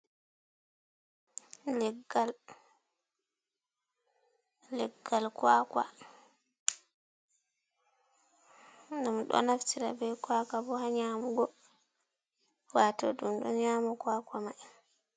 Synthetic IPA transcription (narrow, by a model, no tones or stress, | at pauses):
lɛɡːal | lɛɡːalkwaːkwa̰ | ndamɗɔ̰naftiɾa̰bɛjkwakabɔhaɲaːmuɡɔ | watɔɗumɗɔɲaːmɔkwaːkama